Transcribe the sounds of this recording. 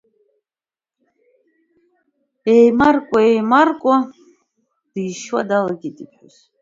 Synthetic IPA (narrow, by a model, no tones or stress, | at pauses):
ɛjmarkʷʼaɛjmarkʷʼa | d̪̥ijʃwa̰d̪alaɡʲit̪ʼipħʊs